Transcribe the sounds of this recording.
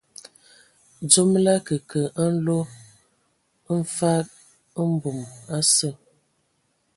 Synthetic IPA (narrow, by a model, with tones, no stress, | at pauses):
d͡ʒo˦mla˦kə˨kə˨a˦n̩˦lo˦ | n̩˦fa˦k̚ | ə˦m̩˦bu˨ma˦sə˦˨